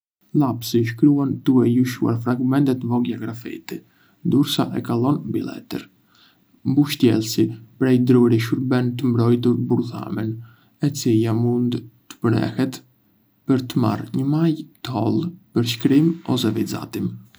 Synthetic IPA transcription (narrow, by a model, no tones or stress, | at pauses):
lˠapsiʃkɾuand̪uɛjuʃua̰ɾfɾaɡmɛnt̪ɛt̪vɔɡjaɡɾafḭt̪i | d̪uɾsaʔɛkalˠɔnbḭlˠɛ̰t̪ə̰ɾ | mbuʃt̪jɛlˠsipɾɛjd̪ɾuɾiʃuɾbɛnt̪əmbɾɔjt̪̬uɾbuɾθa̰mɛn | ɛt͡silamund̪t̪ə̥pənɛ̰hɛt̪ | pəɾt̪əma̰rɲəmajt̪əɔlˠpəɾʃkɾimɔsɛviza̰t̪im